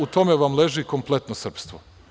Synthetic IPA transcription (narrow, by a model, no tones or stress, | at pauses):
ut̪o̞meʋamleʒiko̞mple̞t̪nosr̩pst̪ʋo